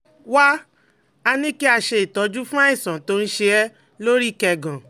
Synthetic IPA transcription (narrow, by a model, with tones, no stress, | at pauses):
wa˦ | a˧nĩ˦ki˦a˧ʃe˧i˨tɔ˨˧˦d͡ʒu˦fũ˦a˦ĩ˦˨sɔ̃˨to˧˦n̩˦ʃe˧ɛ˦ | lo˦ɾi˦˨kɛ˧˨ɡã˨